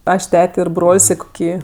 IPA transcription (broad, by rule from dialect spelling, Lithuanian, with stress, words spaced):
ˈɐʃ ˈtʲæːtʲɛ ɪr ˈbroːlʲsʲ ɪ koːˈkʲiː